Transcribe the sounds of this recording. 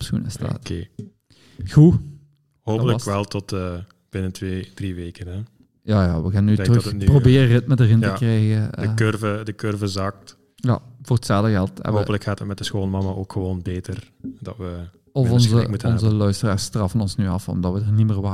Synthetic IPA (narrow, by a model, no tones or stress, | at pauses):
psxṵnə̰sta̰ːtke | xu | hoːpələkʋɛlˠtɔtə | b̥ɪnətʋed̥riʋeːkənɛ | jaːjaːʋəɣaːnənːytrəxənprobɪːərɪtmədərɦɪntəkrɛjɣəəkørvədəkørvəzɑk̚t | ja̰vʊːrətsaːləɣɛlˠtɛ̰ɦoːələkxaːtət̚mɛt̚dəsxoːlˠəmɑmaʔoːkxəʋoːnbeːtər | d̥ɑ̰tʋə | ɔfɔnzəutɔnzəlœɥstəraːstrɑfənɔnsnyɑfɔ̰mdɑtʋədərniməːrʋa